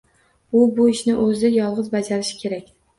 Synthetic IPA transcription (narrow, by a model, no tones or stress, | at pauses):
ʊbʊɪʃnɪʔɵzɪjɒlˠʁɨzbad͡ʒaɾɪʃɪ̥kʲʰe̞ɾakʲ